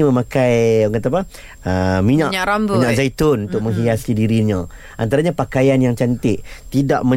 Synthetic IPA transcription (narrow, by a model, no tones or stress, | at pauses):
mə̃mãkajkat̪apa | ʔəmiɲaʔɲɾambmiɲãkzajt̪ʊnunt̪ʊk̚məŋɦiasidiɾiɲã | ʔa̰nt̪aɾaɲãpakajanjaŋt͡ʃant̪ɪʔt̪ida̰ʔmə̃